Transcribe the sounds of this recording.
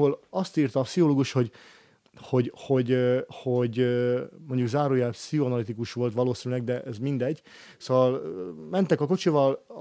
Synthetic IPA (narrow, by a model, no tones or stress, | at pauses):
ɦolɒst̪iːrt̪ɒːpsiɦoloːɡuʃho̞ɟ | ho̞ɟho̞ɟho̞ɟ | moɲɟuɡzaːɾoːjaːpsioːnɒlit̪ikuʃʋo̞lt̪ʋɒloːsinylɛɡ̚d̪ɛʔɛzmind̪ɛɟː | soːvɒlmɛnt̪ɛkɒko̞t͡ʃivɒl